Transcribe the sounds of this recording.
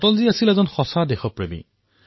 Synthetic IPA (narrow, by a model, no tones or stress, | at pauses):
tɔlziasilɛzɔnxɔsadexɔpɹemḭ